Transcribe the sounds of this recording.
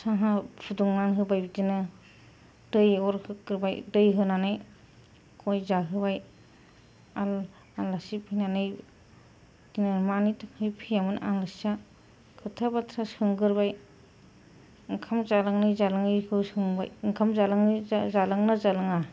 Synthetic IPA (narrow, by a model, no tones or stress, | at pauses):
saɦapʰuduŋnanɦɯbajbidinɯ | d̥ɯjɔɾhɯkɯɾbajdɯjɦɯnanɯj | kʰɔjzaɦɯbaj | al | alasipʰijnanɯj | dinɯmanitʰakʰhɯjpʰijamɯnʔalɯsa | kʰɯtʰabatʰɾasɯŋɡɯɾbaj | ŋkʰamzalaŋnɯjzalaŋɯjhɯsɯŋba̰jŋkʰamzalaŋnizalaŋnazalɯŋa